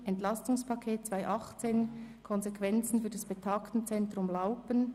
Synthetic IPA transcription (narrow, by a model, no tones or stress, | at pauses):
ʔɛntlɑstʊŋspʰɑkʰeːt̚t͡sv̥aɪʔɑχt͡seːnkʰɔnzekʰvɛnt͡sn̩fyːɐdɑsb̥etʰɑːktn̩t͡sɛntɾʊmlaʊpən